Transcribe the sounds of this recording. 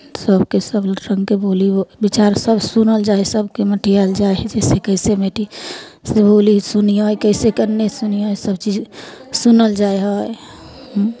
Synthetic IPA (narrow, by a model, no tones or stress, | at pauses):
səbkesəbɾə̃ŋɡkeboːliobit͡ʃaːɾsəbsʊnəld͡ʒaːesəbkeməʈʰiald͡ʒaeɦd͡ʒɛːsekəɪsemeʈiseboːlisʊniɦojkəɪsekəɾnesʊniɦojsəbt͡ʃiːd͡ʒsʊnəld͡ʒaːeɦɔ | ɦ